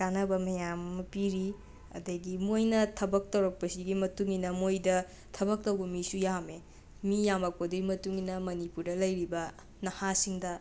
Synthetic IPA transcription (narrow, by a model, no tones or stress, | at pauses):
kanɐbɐmɐjamɐpiɾi | ɐ̰dɐɡimojnɐtʰɐbɐk̚tɐwɾɐk̚pɐsiɡimɐtuŋinɐmojdɐ | tʰɐbɐk̚tɐwbɐmisujame | mijamɐk̚podɐɡimɐtuŋinɐmɐnipuɾdɐlɐjɾibɐ | nɐhasiŋdɐ